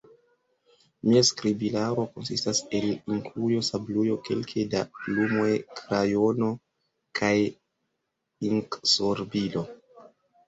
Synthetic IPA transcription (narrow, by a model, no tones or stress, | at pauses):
miaskɾibilaɾo̞ko̞nsistase̞liŋkʰlujo̞sablujo̞ke̞̰lkʰedalumojkʰɾajo̞no̞ | kʰaj | iŋksoɾbilo̞